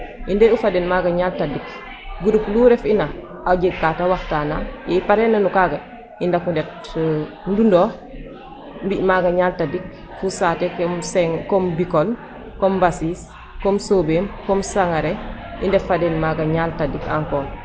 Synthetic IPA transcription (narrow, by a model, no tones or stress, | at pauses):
indɛufadɛnmaɡaɲaltadik | ɡudukluːɾɛfina | aɟekːatawaxtanaipaɾɛnːɐnukaɡa | indakundɛt | ndundɔː | mbimaɡaɲaltadik̚ | fusatɛkmsɛŋkɔmbikɔl | kɔmbasis | kɔmsoːbemkɔmsaŋaɾe | indɛfadɛnmaɡaɲaltadikaŋkɔːl